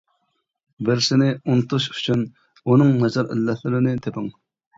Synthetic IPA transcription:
bɪɾsɪnɪunt̪ʰuʃyt͡ʃʰyn | unɨŋnɛd͡ʒɑɾɪ̰lːɛt̪lɪɾɪnɪt̪ʰepɪŋ

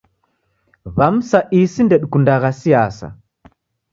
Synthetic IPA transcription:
βam̩saʔisindɛɗkundaɣasijasa̰

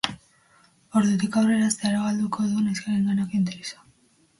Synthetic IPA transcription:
o̞ɾðut̪̬ikawre̞ɾast̪eaɾaɣald̪ukʰo̞ðuneskaɾiŋɡanakoint̪eɾisḁ

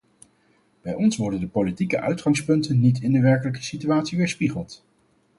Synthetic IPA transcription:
b̥ɛjɔnsʋɔɹdəndəpolitikəʔœ̰ɥtχɑŋspɵntənːitʰɪndəʋɛɹkələkə̥sityaːtsiʋɪːɹspiχəlˠt

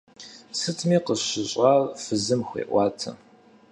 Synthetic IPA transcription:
sɨtʰmiːqəɕɪɕʼarfɨzɨmxʷḛːʔʷɑːtʰɐ̰

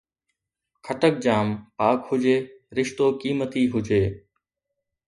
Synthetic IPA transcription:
kʰəʈək̚d͡ʑaːmpaːkhʊd͡ʑeːɾɪʃt̪oːkiːmət̪iːɦʊd͡ʒeː

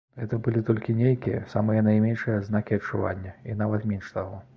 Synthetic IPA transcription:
ɣɛt̪ɐbɨlʲit̪ɔlʲkʲinʲejkʲijɐ̰samɨjɐnɐjmʲenʂɨjɐznakʲiɐt͡ʂːuva̰nʲːɐinavɐt̪mʲenʂt̪aɣɔ

